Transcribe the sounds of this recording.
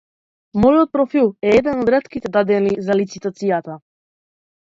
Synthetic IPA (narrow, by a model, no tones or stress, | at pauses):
mɔjɔt̪̚pɾɔfilˠɛɛd̪ɛnɔd̪ɾɛt̪kit̪ɛd̪ad̪ɛnizalit̪sit̪at̪sijat̪a